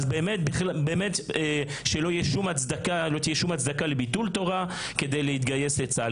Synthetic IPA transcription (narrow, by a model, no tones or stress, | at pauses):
zbeːmet̪biχlbeːmet̪ | ʃelo̞ijɛʃumat͡sd̪akalo̞t̪ijɛʃumat͡sd̪akalebit̪ult̪o̞ʁa | ke̞d̪ejlehit̪ɡaje̞set͡sa